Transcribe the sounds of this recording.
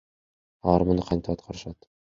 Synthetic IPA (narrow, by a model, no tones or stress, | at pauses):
ɑɾmŏnɤqʰɑnʲt̪ɑɑt̪̚qʰɑɾʃɑt̪